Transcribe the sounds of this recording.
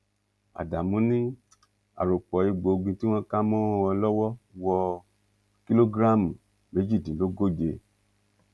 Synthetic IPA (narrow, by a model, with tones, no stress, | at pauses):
a̰˨da˨mũ˨˦nĩ˦ | a̰˨ɾo˨k͡pɔ˨˦i˧ɡ͡bo˨˧ɡ͡bĩ˧ti˦w̃ɔ̃˦ka˦mɔ̃˦˧ɔ˧lɔ˦wɔ˦wɔ˧ | ki˦lo˦ɡɾa˦˨mũ˨ | me˨˦d͡ʒi˦˨dĩ˨˦lo˦ɡo˦˨d͡ʒe˧